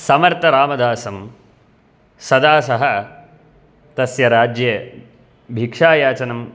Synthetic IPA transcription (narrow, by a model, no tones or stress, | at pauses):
sɐmɐɾt̪ɐɾaːmɐd̪aːsɐm | sɐd̪aːsɐɦɐ | t̪ɐsjɐɾaːd͡ʒje | bʱikʂaːjaːt͡ʃɐnɐm